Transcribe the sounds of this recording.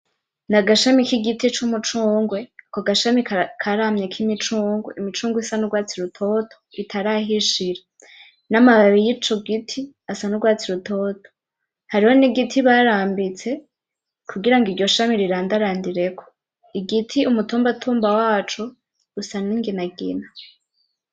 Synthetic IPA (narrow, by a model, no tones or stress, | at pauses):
naɡaʃamikiɡitit͡ʃumut͡ʃuːŋɡwe̞koɡaʃamikʰaɾamɲekʰimit͡ʃuːŋɡṵʔimit͡ʃuːŋɡwisanuɡwaːt͡siɾutʰo̞tʰo̥itʰaɾaɦiʃiɾa | namaβaβijit͡ʃoɡitʰi | asanuɡwaːt͡siɾutoːtʰo̥ | haɾiho̞niɡitʰiβaɾaːmbit͡se̞ | kʰuɡiɾaŋɡiɾɟo̞ʃamiɾiɾaːndaɾaːndiɾe̞kʰo̥ | iɡitʰiumutuːmbatʰuːmbawaːt͡ʃo | ɡusaniŋɡinaɡḭna